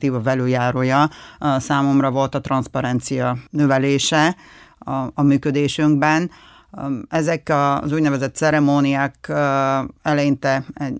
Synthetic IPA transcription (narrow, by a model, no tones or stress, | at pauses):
t̪iːvɒvɛløːjaːɾoːjɒsaːmo̞mrɒvo̞lt̪ɒt̪rɒnspɒɾɛnt̪sijɒnøvɛleːʃɛ | ɒmyːkød̪eːʃyŋɡ̚bɛn | ɛzɛkɒzuːɟnɛvɛzɛt̪ːsɛɾɛmoːnijaːk | ɛlɛjint̪ɛɛ